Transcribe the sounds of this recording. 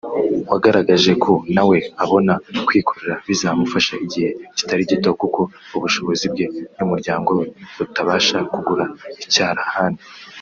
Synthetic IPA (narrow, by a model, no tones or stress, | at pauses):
waɡaɾaɡaʒe̞kʰo̞nawe̞aβo̞nakwiːkʰoɾe̞ɾaβizamufaʃaiɟihe̞ci̥taɾiɟitokuko̞ | uβuʃo̞βo̞zib̚ɡe̞numuɾɟaːŋɡo̞weβutaβaːʃakuɡuɾaicaːɾahaːndi